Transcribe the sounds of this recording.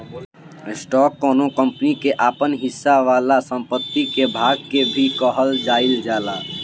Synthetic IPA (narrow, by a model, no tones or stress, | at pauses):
sʈɔkːɔnokəmpnikeʔapənɦisːaʋalasə̃mpət̪ːikebʱaɡ̚kebʱikəɦəld͡ʒaild͡ʒala